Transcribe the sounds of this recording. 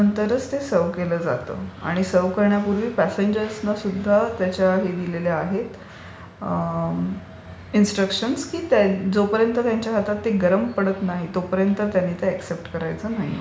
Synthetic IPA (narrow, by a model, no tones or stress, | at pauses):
ənt̪əɾət͡st̪esəʋkeləːd͡za̰t̪ə̰ːa̰ɽ̃isəʋkəɾɳjapuɾʋiːpæseɲd͡ʑəɾsnasud̪ʱːat̪jat͡ɕjaɦed̪ileleaɦet̪ | insʈɾəkʂənskiːt̪ad͡zopəɾjənt̪ət̪jaɲt͡ɕjaɦat̪at̪ːeɡəɾəmpəɽət̪naɦit̪opəɾjənt̪ət̪janːiːt̪eæksep̚ʈkəɾajt͡səːnaɦḭ